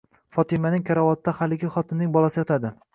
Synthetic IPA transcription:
fɒt̪ʰɪmanɪŋkʲʰaɾavɒt̪ːahalɪɡʲɪχɒt̪ʰɪnːɪŋbɒlˠasɪjɒt̪ʰad̪ɪ

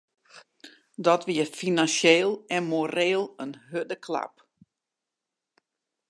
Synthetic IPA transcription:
dɔtʋiəfinanseːlˠɛnmoɾeːlˠənɦødəkʰla̰p

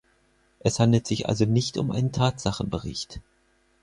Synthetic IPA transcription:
ʔɛshandl̩tz̥ɪçʔa̰lzonɪçtʊ̰mʔa̰ɪnəntʰaːtz̥aχn̩bəʁɪ̰çt

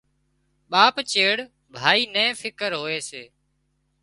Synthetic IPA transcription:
ɓaːpt͡ʃeːɽ | bʱaːiːnɛ̃ːfʰɪkəɾɦoːeːseː

